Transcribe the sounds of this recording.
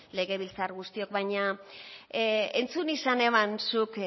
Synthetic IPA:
le̞ɣe̞β̞ilt͡sarɣust̪io̞k̚βajɲa | ent͡sunisane̞mansuk

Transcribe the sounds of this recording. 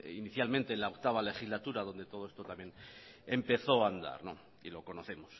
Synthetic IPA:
iniθjalmẽnt̪e̞ːnlaokt̪aβ̞ale̞xizlat̪uɾaðo̞nd̪e̞t̪o̞ð̞o̞est̪ot̪amjenempe̞θo̞and̪a̰ɾno̰ | ilo̞ko̞no̞θe̞mos

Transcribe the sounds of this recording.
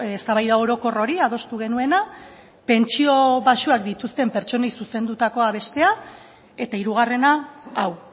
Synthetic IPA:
est̪aβajðao̞ɾo̞ko̞ro̞ɾiað̞o̞st̪uɣ̞e̞nue̞na | pe̞nt͡ʃio̞βaʃuakd̪it̪ust̪e̞mpe̞ɾt͡ʃo̞nejsuse̞nd̪ut̪ako̞aβ̞e̞st̪e̞a | e̞t̪aiɾuɣ̞are̞naːw

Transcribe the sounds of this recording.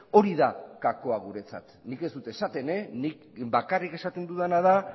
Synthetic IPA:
o̞ɾiðakako̞aɣ̞uɾe̞t͡sa̰t̪nike̞zd̪ut̪e̞sat̪e̞ne̞nik | bakarike̞sat̪e̞nd̪uðanað̞a

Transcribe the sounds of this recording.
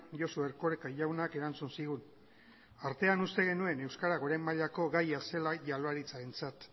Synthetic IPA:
josueɾko̞ɾekaʎawnake̞ɾant͡sunsiɣ̞un | aɾt̪e̞anust̪e̞ɣ̞e̞nue̞ne̞wskaɾaɣoɾajmaʎako̞ɣajase̞laʝaloaɾit͡saɾe̞nt͡sat̪

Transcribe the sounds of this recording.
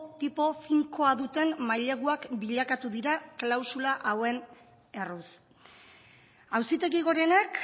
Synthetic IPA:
t̪ipo̞fiŋko̞aðut̪e̞nmajʎe̞ɣuakbiʎakat̪uðiɾaklawsulaʔawe̞n | e̞rus | awsit̪e̞ɣiɣ̞o̞ɾe̞nak

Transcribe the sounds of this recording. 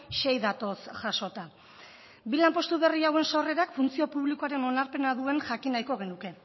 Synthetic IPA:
ʃe̞jðat̪o̞sʝaʃo̞t̪a | bilampo̞st̪uβ̞e̞riawe̞nsore̞ɾakfunt͡sio̞puβlikoaɾe̞no̞naɾpe̞naðue̞nʝakinajko̞ɣ̞e̞nuke̞

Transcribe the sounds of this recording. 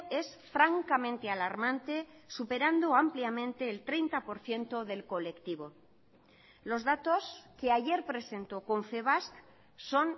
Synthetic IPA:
e̞sfɾaŋkamẽnt̪e̞alaɾmãnt̪e̞supe̞ɾand̪oampljamẽ̞nt̪e̞ːlt̪ɾe̞jnt̪apo̞ɾθje̞nt̪o̞ðe̞lko̞le̞kt̪iβ̞o̞ | lo̞zðat̪o̞ske̞aʝe̞ɾpɾe̞se̞nt̪oko̞ɱfe̞β̞ask | so̞n

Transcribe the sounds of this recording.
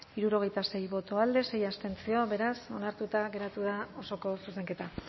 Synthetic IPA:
iɾuɾo̞ɣ̞e̞jt̪ase̞jβo̞t̪o̞ald̪e̞se̞jast̪e̞nt͡sio̞βe̞ɾaso̞naɾt̪ut̪aɣe̞ɾat̪uðao̞so̞ko̞suse̞ŋke̞t̪a

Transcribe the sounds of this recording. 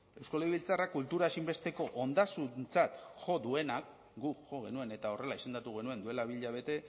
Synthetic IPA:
e̞wskaleiβilt͡sarakult̪uɾaesimbe̞st̪e̞ko̞ʔond̪asunt͡sat̪ʝo̞ðue̞nak | ɡuʝo̞ɣe̞nue̞ne̞t̪ao̞re̞laise̞nd̪at̪uɣ̞e̞nue̞nd̪ue̞laβ̞iʎaβ̞e̞t̪e̞

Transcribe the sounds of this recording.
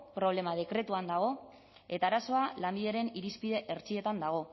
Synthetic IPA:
pɾo̞βle̞mað̞e̞kɾe̞t̪uand̪aɣ̞o̞ | e̞t̪aːɾaso̞alambiðeɾe̞niɾispiðe̞ʔeɾt͡sie̞t̪and̪aɣ̞o̞

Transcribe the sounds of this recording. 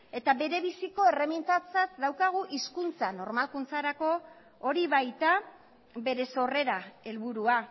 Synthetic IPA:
e̞t̪aβe̞ɾe̞βisiko̞e̞remint̪at͡sasd̪awkaɣ̞uʔiskunt͡sano̞ɾmalkunt͡saɾako̞ | oɾiβajt̪a | be̞ɾe̞so̞re̞ɾae̞lβuɾua

